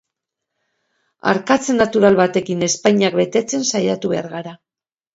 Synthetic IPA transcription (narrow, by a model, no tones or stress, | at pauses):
a̰ɾkat͡se̞nːat̪uɾalβat̪e̞kine̞spajɲak̚be̞t̪e̞t͡se̞nsajat̪uβe̞aɾɣaɾa